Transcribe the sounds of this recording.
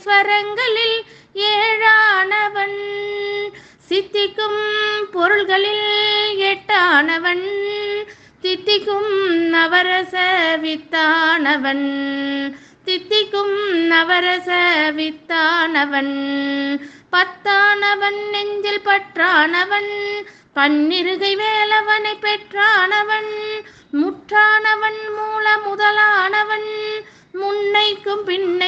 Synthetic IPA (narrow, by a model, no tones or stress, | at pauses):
sʋɐɾɐŋɡɐɭɪl | eːɻaːnɐʋɐn | sɪt̪ːɪkːɯmpɔɾɯɭɣɐɭɪleːʈːaːnɐʋɐn | t̪ɪt̪ːɪkːɯmnɐʋɐɾɐsɐʋɪt̪ːaːnɐʋɐn | t̪ɪt̪ːɪkːɯmnɐʋɐɾɐsɐʋɪt̪ːaːnɐʋɐn | pɐt̪ːaːnɐʋɐnɛɲd͡ʒɪlpɐʈraːnɐʋɐn | pɐɳːɪɾɯɣɐɪʋeːlɐʋɐnɐɪpːɛʈraːnɐʋɐn | mʊʈraːnɐʋɐnmuːlɐmʊðɐlaːnɐʋɐn | mʊnːɐɪkːɯmpɪnːɐ